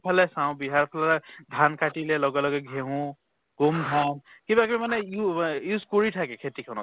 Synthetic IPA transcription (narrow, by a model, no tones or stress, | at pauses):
pʰalɛsãw̃biɦaɹpʰalɛld̪ʱankaʈilɛlɔɡɛlɔɡɛɡʱeɦũ | ɡ̥umd̪ʱankibakmimanɛjujuzkɔɹitʰakɛkʰet̪ikʰɔnɔ̰